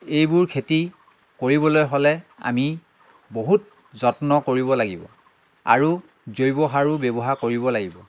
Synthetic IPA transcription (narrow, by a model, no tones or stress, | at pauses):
ejbʊɹkʰeti | koɹibɔlojɦɔlɛa̰mi | boɦut̚ | zɔtnɔkoɹibɔlaɡibɔ̰ | a̰ɹu | zojbɔɦaɹubebɔɦakoɹibɔlaɡibɔ